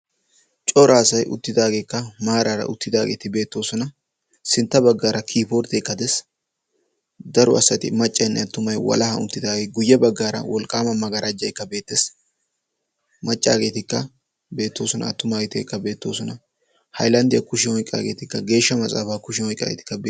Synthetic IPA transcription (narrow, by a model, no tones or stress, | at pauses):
t͡ʃʼɔɾʔaːsɐjʔʊ̰t̪ːɪd̪aːɡe̞ːkːɐmaːɾɐɾɐ̰ʔʊt̪ːɪd̪aːɡḛːt̪ɪbe̞ːt̪ːo̞ːsɔnɐ | sɪnt̪ːɐbɐɡːaːɾɐkʰiːpɔːɾt̪ɛkːɐd̪ɛs | d̪ɐɾʊʔɐsːɐt̪ɪ̰mɐt͡ʃʼːɐjnːɛɐt̪ːʊmɐjwɐ̰lɐhɐ̰ʊ̰t̪ːɪd̪aːɡeɡʊjːɛbɐɡːaːɾɐ̰wɔlkʼaːmɐmɐɡɐɾʔɐd͡ʒːɐjkːɐbe̞ːt̪ːes | mɐt͡ʃʼːaːɡe̞ːt̪ɪkːɐ | be̞ːt̪ːo̞ːsɔnɐ̰ɐt̪ːʊmaːɡt̪ɪkːɐbe̞ːt̪ːo̞̰ːsɔnɐ | hɐjlɐnd̪ɪjɐkʊʃɪhɔjkʼa̰ːɡe̞̰ːt̪ɪkːɐɡe̞ːʃːɐmɐt͡sʼa̰ːfaːkʊʃɪhɔjkʼːa̰ːɡḛt̪ɪ̥kːɐb